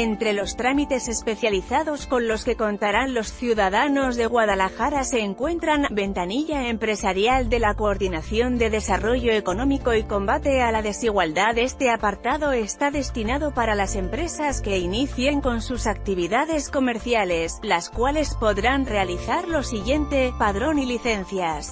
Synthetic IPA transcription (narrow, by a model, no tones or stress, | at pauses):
ent̪ɾe̞lo̞st̪ɾamit̪e̞se̞spe̞θjaliθaðo̞sko̞nlo̞ske̞ko̞nt̪aɾanlo̞sθjuðaðano̞zðe̞ɣwaðalaxaɾase̞ːŋkwe̞nt̪ɾanbe̞nt̪aniʎae̞mpɾe̞saɾjald̪e̞lako̞o̞ɾðinaθjo̞nd̪e̞ðe̞saro̞ʝo̞e̞ko̞nõ̞miko̞iko̞mbat̪e̞alaðe̞siɣ̞wald̪aðe̞st̪e̞apaɾt̪aðo̞e̞st̪aðe̞st̪inaðo̞paɾalase̞mpɾe̞saske̞iniθje̞ŋko̞nsusak̚t̪iβ̞iðaðe̞sko̞me̞ɾθjale̞slaskwale̞spo̞ðɾanre̞aliθaɾlo̞siɣje̞nt̪e̞paðɾo̞niliθe̞nθjas